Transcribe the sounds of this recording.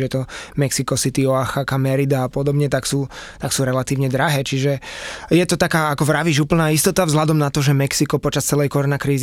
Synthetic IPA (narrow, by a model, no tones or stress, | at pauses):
ɛt̪ɔmɛksikɔsit̪iɔaxakamɛɾid̪aːpɔd̪ɔbɲɛt̪aksuːt̪aksuːɾɛlat̪iːʊɲɛd̪ɾaɦɛːt͡ʃiʒɛjɛt̪ɔt̪akaːakɔʋɾaʋiːʒuːpl̩naːist̪ɔt̪avzlad̪ɔmnat̪ɔʒɛmɛksikɔpɔt͡ʃast͡sɛlɛjkɔɾɔnakɾiːz